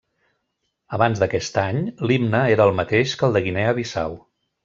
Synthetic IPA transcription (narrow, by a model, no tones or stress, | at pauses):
əβanzd̪əkɛst̪aɲlibnəeɾəːlˠmət̪eʃkəlˠd̪əɣinɛəβisa̰w